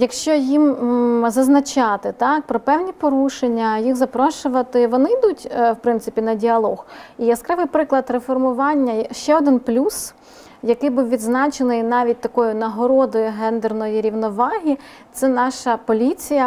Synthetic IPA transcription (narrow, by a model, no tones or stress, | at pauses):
jɐkʃt͡ʃɔjimzɐznɐt͡ʃɑt̪ɪt̪ɑk̚pɾɔpɛwnʲipɔɾuʃenʲːɐjixzɐpɾɔʃʊʋɐt̪ɪʋɔnɪjd̪utʲwpɾɪnt̪sɪpʲinɐdʲiɐlˠɔxijɐskɾɪʋɪjpɾɪklˠɐd̪ɾefɔrmʊʋɑnʲːɐʃt͡ʃɛɔd̪ɪnplʲus | jɐkɪjbuwʋʲid̪znɑt͡ʃenɪjnɑʋʲit̚ʲt̪ɐkɔjʊnɐɦɔɾɔd̪ɔjʊɦɛnd̪ernɔjiɾʲiwnɔʋɑɦʲi | t̪sɛnɑʃɐpɔlʲit͡sʲijɐ